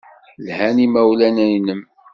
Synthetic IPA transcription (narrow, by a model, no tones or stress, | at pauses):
lhænimæwlænæjnəm